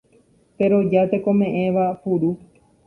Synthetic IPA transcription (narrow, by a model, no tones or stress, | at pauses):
t̪e̞ɾo̞d͡ʒat̪e̞kõ̞mẽ̞ʔẽʋapuɾu